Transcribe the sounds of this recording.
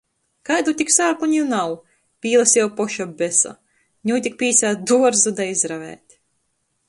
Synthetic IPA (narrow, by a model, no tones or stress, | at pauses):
kajd̪ut̪ʲiksaːkuɲʲunaw | pʲiːlˠasjɛwpɔʃabʲesa̰ | ɲʲuːt̪ʲik̚pʲiːsaːt̪̚d̪uɔɾzud̪ajizɾavʲæ̰ːt̪ʲ